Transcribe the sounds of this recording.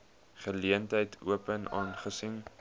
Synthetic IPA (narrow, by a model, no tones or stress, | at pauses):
χəliəntɦəjtʰṵəpənɑːnχəsiŋ